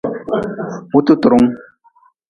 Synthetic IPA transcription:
mu˦t̪u˦tɾu˨˦ŋ

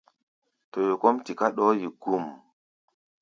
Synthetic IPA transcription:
to˨jo˨ko˦mti˨ka˦ɗɔ˦ji˨ɡ̥u˦˨m

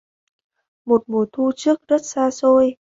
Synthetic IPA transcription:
mo˨˩t̚mo˨˩t̪ʰu˧t͡ɕɨ˦˥ək̚zə˦˥t̚saː˧so˧j

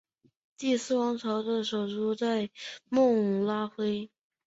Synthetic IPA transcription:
t̪i˥˩sɹ̩˥˩wɑ˧˥ŋt͡sʰɑ˧˥ʊd̪ə˧ʂo˨˩ʊʈ͡ʂu˥˧t͡sa˥˧ɪmʊ˥˩ŋ˨˩la˥xwe˥ɪ

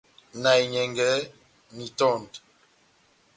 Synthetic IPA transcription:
na˨i˨ɲɛ˨ŋɡɛ˨˦ | mi˨tɔ˦˨nd

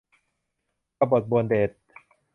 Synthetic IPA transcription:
a˧˩bo˨˩t̪̚bu˧əndeː˨˩t̪̚

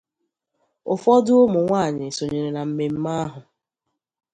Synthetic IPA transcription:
ʊ˨fɔ˦dʊ˦o˦mʊ˨ŋʷaː˦˨ɲɪ˨so˨ɲe˨ɾe˨na˨m̩˦me˨m̩˦ma˦a˦ɦʊ˨

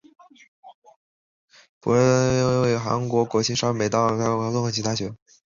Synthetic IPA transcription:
pṵ˧˥ɻə˥we˥˩ɪxa̰˧˥nkwɔ˧˥kwɔ˧˥t͡ɕʰi˥ʂa˥me˨˩ɪt̪ɑ˥˩˥a˧˥k̪ə˥˩xɤ˧˥˩t͡ɕʰi˧˥t̪ʰa˥ɕɥɛ˧˥n

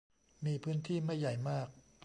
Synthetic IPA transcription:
miː˧pʰɯː˦˥nt̪ʰiː˥˩ma˥˩jːa˨˩jmaː˥˩k̚

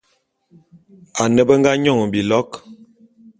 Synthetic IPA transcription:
a˨nə˦bə˦ŋ˦ɡa˦ɲɔ˦˨ŋ˨bi˨lɔ˦k

